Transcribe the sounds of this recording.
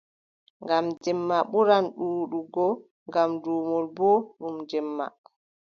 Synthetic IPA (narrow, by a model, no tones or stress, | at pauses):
ŋɡamd͡ʒɛmːaɓuɾanɗuːɗuɡɔ | ŋɡamduːmɔlbɔɗumd͡ʒɛmːa̰